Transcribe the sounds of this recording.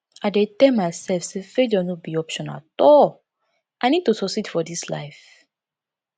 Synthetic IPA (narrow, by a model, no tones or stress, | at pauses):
aɪdetɛlmaɪsɛlfsefedɔnɔbiɔpʃɔ̃na̰tɔl | ʔaɪnid̚tusɔsitfɔdisla̰ɪf